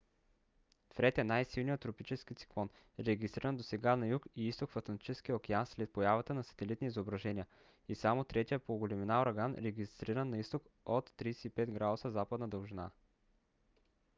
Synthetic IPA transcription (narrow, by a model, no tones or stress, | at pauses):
fɾɛt̪ɛnajsilˠnijət̪ɾopit͡ʃɛsk̟it̪si̥klˠɔn | ɾɛɡʲist̪ɾiɾənd̪osɛɡanɐjukiist̪okfɐt̪lˠɐnt̪i̥t͡ʃɛskijəokʲɛanslɛt̪̚pojavɐt̪ənɐsɐ̥t̪ɛlit̪niːzobɾɐʒɛniə | isamot̪ɾɛt̪ijəpoɡolɛmɛnaoɾɐɡanɾɛɡʲist̪ɾiɾənːɐist̪okot̪ːɾiːsɛipɛt̪ɡɾad̪osəzapəd̪nɐd̪əlˠʒina̰